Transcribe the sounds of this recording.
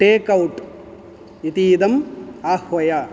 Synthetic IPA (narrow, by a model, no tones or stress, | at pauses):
ʈeːkɐwʈ | it̪iːd̪ɐmaːhʋɐjɐ